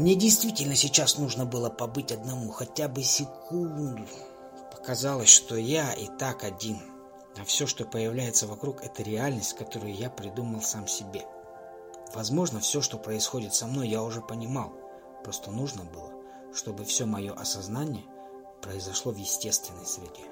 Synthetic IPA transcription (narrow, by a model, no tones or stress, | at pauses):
mnʲedʲɪjst̪vʲitʲɪlʲnəsʲɪt͡ɕasnuʐnəbɨlˠəpɐbɨtʲɐd̪nɐmuxɐtʲabɨsʲɪkʰunnnd̪ʊ | pə̥kɐzɑlˠəsʲʂt̪o̞jaʔḭt̪akɐdʲin | ɐfsʲɵʂt̪o̞pəjɪvlʲæjɪt̪səvɐkɾukɛt̪əɾʲɪalʲnəsʲtʲkɐt̪o̞ɾʊjʊjapɾʲɪd̪uməlˠsamsʲɪbʲe̞ | vɐzmo̞ʐnəfsʲo̞ʂt̪o̞pɾəɪsxo̞dʲɪt̪sɐmno̞jːaʊʐɛpənʲɪmalˠ | pɾo̞st̪ənuʐnəbɨlˠə | ʂt̪o̞bɨfsʲɵmɐjo̞ʔɐsɐznanʲɪjə | pɾəɪzɐʂlˠo̞vjɪsʲtʲe̞st̪vʲɪnːəjsvʲɪtʲe